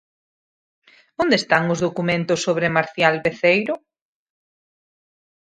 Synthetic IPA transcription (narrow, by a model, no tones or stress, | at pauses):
õnd̪est̪aŋʊzðokumẽnt̪ʊsːoβ̞ɾemaɾθjalβeθejɾʊ